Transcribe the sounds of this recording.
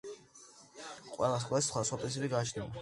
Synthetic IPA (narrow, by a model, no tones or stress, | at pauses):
qʼwɛ̰lˠas̬χʼlssχwasχwapʼiɾis̬ibiɡat͡ʃʰnia̰